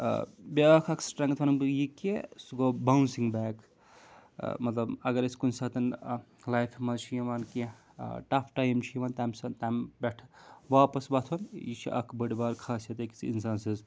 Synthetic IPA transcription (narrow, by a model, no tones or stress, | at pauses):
beɐkʰɐkʰsʈɾɐŋɡt̪ʰʋɐnbjikesɡobawnsiŋɡbɛːk | mɐt̪lɐbɐɡɐɾesʲkunsat̪ɐn | lajpʰmɐt͡ʃʰijiʋanke | ʈɐpʰʈajmt͡ʃʰiiʋaːnt̪amsɐt̪ambeʈʰʋaːpɐsbat̪ʰonjit͡ʃʰḭʔɐ̰kʰbɐɽibaːɾkʰaːset̪ekit͡sʰḭnsaːnsiz